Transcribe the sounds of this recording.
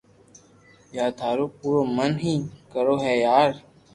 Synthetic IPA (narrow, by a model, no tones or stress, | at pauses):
jaːd̪ʱaːɾoːpuːɾoːmənɦĩːkəɾoːɦɛːjaːɾ